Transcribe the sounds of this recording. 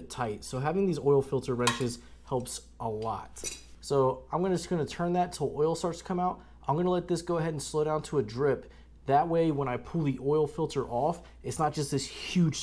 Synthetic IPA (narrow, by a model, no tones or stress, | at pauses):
tʰaɪtsoʊɦævɪ̃ŋðizɔɪlˠfɪlˠtʰə˞ɹɛ̃nt͡ʃɨz̥hɛlˠps | ʔəlɔ̰t̚soʊãɪ̃mɡʌnsɡ̥ʌnɨtʰɜ̃˞nðɨtʰəlˠɔɪlˠstɑɹtskʰʌ̃maʊt̚ | ʔãɪ̃mɡʌnəlɛt̪̚ðɪsɡ̥oʊəɦɛɾn̩sloʊɾãʊ̃ntʰəədɹɪp | ðət̚weɪwə̃ɾ̃aɪpʰulˠðiʔɔɪlˠfɪlˠtʰə˞ʔɔf | ɨtsnət̚d̥ʒ̥ʌst̪ðɪshj̥ʉd̥ʒ̥